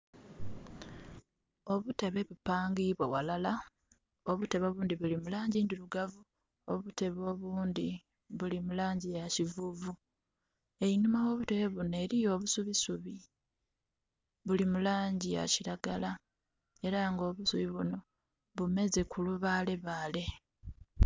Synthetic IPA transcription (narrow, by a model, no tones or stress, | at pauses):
o̞βute̞βe̞βupaːŋɡiβwewalala | oβute̞βo̞ːβuːnd̪iβulimulaːɲɟind̪iluɡavu | oβute̞βo̞ːβuːnd̪i | βulimulaːɲɟijacivuvu | einumawo̞ːβuteβeβunoe̞ːɾijo̞ːβusuβisuβi | βulimulaːɲɟija̰ciɾaɡala | e̞ɾaŋɡo̞ːβusuβiβuno̞ | βume̞ze̞kʰuluβale̞βaːle̞